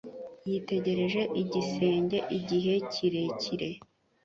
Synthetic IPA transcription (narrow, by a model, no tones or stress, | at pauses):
jite̞ɟe̞ɾe̞ʒe̞ʔiɟise̞ːɲɟe̞ʔiɟiɦe̞cʰiɾe̞cʰiɾe̞